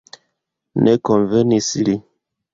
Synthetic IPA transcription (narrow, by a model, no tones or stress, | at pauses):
nʔɛkɔɱvɛnisili